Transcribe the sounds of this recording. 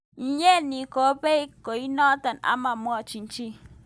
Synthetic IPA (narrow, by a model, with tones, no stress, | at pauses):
n̩˦ɲe˦˨ni˨ko˨˦pe˦i˦ko˨i˦nɔ˦tə˨na̰˦ma˨mwɔ˦˨t͡ʃi˨n̩˦t͡ʃi˦